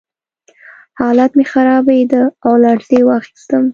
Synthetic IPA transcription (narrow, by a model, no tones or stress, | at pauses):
hɑlat̪mexaɾɑbajd̪əawlɑɽzewɑxi̥st̪əm